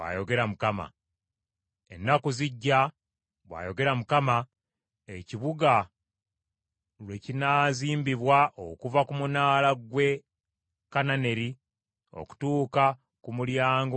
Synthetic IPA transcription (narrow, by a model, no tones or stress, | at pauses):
a̰jo̞ɡe̞ɾamukama̰ | e̞̰nːakuziɟːa | βwa̰ːjo̞ɡe̞ɾamukama | eciβuɡa | lwe̞cinaːziːmbiβwaʔokuvakumunaːlaɡwe̞ | kanane̞ɾi | o̰ku̥tuːka | kumuljaːŋɡ